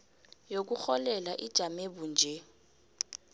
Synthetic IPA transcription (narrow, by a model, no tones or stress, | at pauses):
jok̬uxɔlɛlaʔid̥ʒ̥ʱamebund͡ʒʱɛ